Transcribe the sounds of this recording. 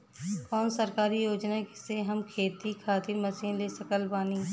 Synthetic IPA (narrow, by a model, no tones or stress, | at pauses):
kɔːnsəɾkaːɾijoːd͡ʒnakɪseɦɐmkʰeːt̪ikʰaːt̪ɪɾmɐsiːnlesəkəlbaːnĩː